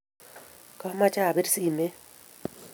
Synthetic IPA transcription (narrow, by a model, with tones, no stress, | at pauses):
ka˦ma˦t͡ʃa˦˨be˦ɾsi˦˨me˦